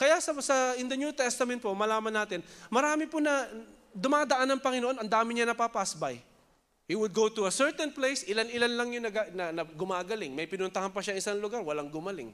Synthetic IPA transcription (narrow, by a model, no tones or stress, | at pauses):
kɐjasɐsɐɪnd̪ɐnuːt̪ɛst̪ɐmɛnt̪̚pomɐlaːmɐnːaːt̪ɪnmɐɾaːmɪpʊnɐ | d̪ʊmaːd̪ɐʔanːɐŋpɐŋɪnoʔo̞nʔɐnd̪aːmɪɲɐnɐpapasbaj | hiwʊd̪̚ɡowt̪ʊɐsɛɹt̪ɛnplejsʔɪlanɪlanlɐŋjʊnɐɡanɐnɐɡʊmaːɡɐlɪŋmɐjpɪnʊnt̪ɐhanpɐʃaŋɪsaŋlʊɡaɾwɐlaŋɡʊmɐlɪ̰ŋ